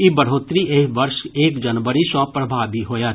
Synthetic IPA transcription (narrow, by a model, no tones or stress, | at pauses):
ibəɽ̤oːt̪ɾiʔeʋəɾʃeːkd͡ʒənʋəɾisɔ̃pɾəbʱaːbʱiɦoːjaː